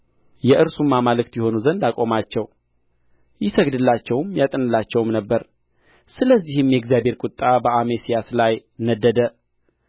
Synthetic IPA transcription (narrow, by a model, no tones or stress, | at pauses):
jɛʔɨɾsumːamalɨk̚t̪jɛho̞nuzənd̪akʼo̞mat͡ʃːɛw | jɪsəɡd̪ɨlːat͡ʃːɛwmjat̪ʼɨnɨlːat͡ʃːɛwmnəbːəɾ | sɨləzːihɨmjɛɡzjabhe̞ɾkʼʊt̪ʼːabəʔamesijaslajnəd̪ːəd̪ə